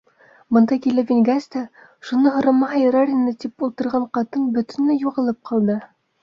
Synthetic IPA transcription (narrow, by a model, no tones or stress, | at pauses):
bɤ̆nd̪ɑkʲilævʲiŋʲɡæst̪æ | ʃunɤɦŏɾɤ̆mɑɑjɤ̆ɾɑɾʲinɤt̪ipulˠt̪ɤ̆ɾʁɑɴqɑt̪ɤnbɵ̆t̪ɵ̆nlæjuʁɤ̆lˠɤp̚qʰɑlˠd̪ɤ